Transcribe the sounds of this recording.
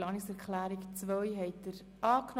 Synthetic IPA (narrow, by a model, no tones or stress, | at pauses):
ɑːnɪksɛɾkχlæːɾikt͡svœʏɦɛɪt̚d̥əɾ | ɑːkn